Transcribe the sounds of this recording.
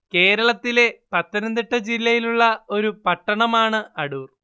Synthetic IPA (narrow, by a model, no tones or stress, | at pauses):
ke̞ːɾɐɭɐt̪ːile̞pɐt̪ːɐnɐnd̪iʈːɐd͡ʑilːɐjiluɭːɐo̞ɾupɐʈːɐɳɐmaːɳɨɐɽuːr